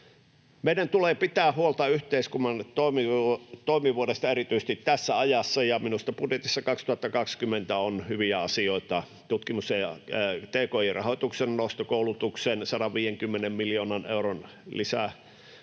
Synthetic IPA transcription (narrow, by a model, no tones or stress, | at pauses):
meˑiɾænt̪uleːpit̪æːhuolt̪ɑyht̪eiskunːɑnt̪oimit̪oˑimiʋuodest̪ɑeɾit̪yise̥s̆t̪it̪t̪æsːæɑjɑsːɑjɑminust̪ɑpudjet̪isːɑkɑkst̪uhɑt̪ːɑkɑkskymːent̪æonhyʋiæɑsioˑit̪ɑ | t̪ut̪kimuseɑt̪eːkoːirʔɑhot̪uksennoˑust̪okoˑulut̪uksensɑɾɑʋʋiːjeŋkymːenemmiljoːnɑnḛuron | lisæ